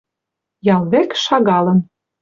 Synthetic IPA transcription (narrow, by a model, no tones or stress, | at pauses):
jɑlˠβekʃɑɣɑlə̆n